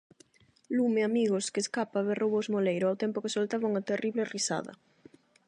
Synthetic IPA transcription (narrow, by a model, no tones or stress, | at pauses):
lumeamiɣoskeːskapaβerʔowβozmolejɾʊawt̪ɛmpʊkɪsolt̪aβaŋat̪eriβlɪrisa̰ðɐ̰